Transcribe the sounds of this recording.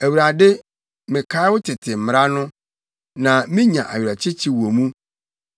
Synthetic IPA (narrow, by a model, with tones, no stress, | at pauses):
æ˨wu˨ɾa˨dɪ˦ | mɪ̃˨kʰa˦ɪ˦wʊ˦tʰɪ˨tʰɪ˨m̩˨m˨ɾa˦nʊ̃˦ | nã˨mĩ˦ɲã˨ʔa̰˨ɥᶣɾa˨t͡ɕʰɪ˦t͡ɕʰi˦wo˨mũ˦